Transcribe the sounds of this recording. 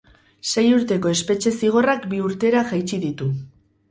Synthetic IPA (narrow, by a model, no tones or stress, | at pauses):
se̞juɾt̪e̞ko̞e̞spe̞t͡ʃe̞siɣ̞o̞rakbiuɾt̪e̞ɾaʝajt͡ʃiðit̪u